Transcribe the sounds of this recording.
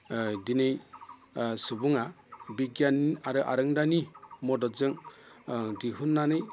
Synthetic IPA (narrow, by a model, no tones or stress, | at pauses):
dinɯj | sɯbuŋa | biɡjaniaɾɯʔa̰ɾɯŋdanimɔdɔzɯŋ | diɦunːanɯj